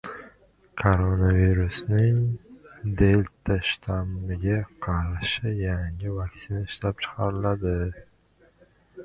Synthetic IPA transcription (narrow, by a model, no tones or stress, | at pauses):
kʰoɾonaviɾusnɪŋ | d̪elt̪ʰaʃt̪ʰamɪɡʲaqʰɑɾʃɪjaŋɪvaksinaɪʃlap̚t͡ʃʰɨ̥qʰɑɾɪlad̪ɪ